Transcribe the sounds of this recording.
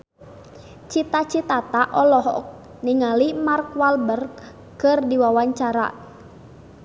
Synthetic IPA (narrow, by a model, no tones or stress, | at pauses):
t͡ʃit̪at͡ʃit̪at̪aʔɔlɔɦɔ̰k̚ | niŋalimarkwalbərɡ | kɨrdiwawaɲt͡ʃaɾa̰